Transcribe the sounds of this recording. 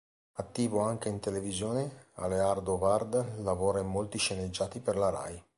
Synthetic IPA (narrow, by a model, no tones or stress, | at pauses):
at̪ːiːvoaŋk̟eint̪elevizjoːnea̰leard̪ovard̪lavoːɾaimːolt̪iʃened͡ʒːaːt̪iperlaɾa̰j